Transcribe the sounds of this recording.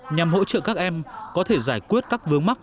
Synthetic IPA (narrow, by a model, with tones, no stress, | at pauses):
ɲa˨˩mɦo̰˧˥t͡ɕə̰˧˨kaː˦˥k̚ʔɛ˧mkɔ˨˦t̪ʰe˧˩zaː˧˩jkwi˦˥ət̚kaː˦˥k̚vɨ˨˧˦əŋma˦˥k̚